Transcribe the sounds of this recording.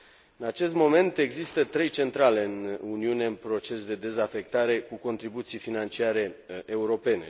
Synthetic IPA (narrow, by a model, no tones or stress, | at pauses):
ɨnat͡ʃe̞s̬t̪mo̞me̞nt̪e̞ɡzist̪ət̪ɾe̞jt͡ʃe̞nt̪ɾale̞ɨnuniune̞ɨnpɾo̞t͡ʃe̞sd̪e̞d̪e̞zafe̞k̚t̪aɾe̞kuko̞nt̪ɾibut̪sijfinant͡ʃiaɾe̞euɾo̞pe̞ne̞̰